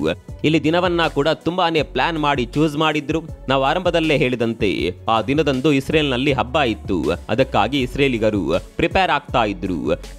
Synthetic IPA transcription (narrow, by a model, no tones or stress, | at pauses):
ilːid̪inɐʋɐnːɐkuːɽɐt̪umbaːne̞ːplaːnmaːɽit͡ʃuːzmaːɽid̪ɾunaːʋuaːɾɐmbʱɐd̪ɐlːeɦe̞ːɭid̪ɐnt̪e̞̰aːd̪inɐd̪ɐnd̪uisɾeːlinɐlːiɦɐbːaːjit̪ːṵɐ̰d̪ɐkːaːɡiːsɾeːliɡɐɾṵpɾipeːɾaːɡ̚t̪aːjid̪ːɾṵ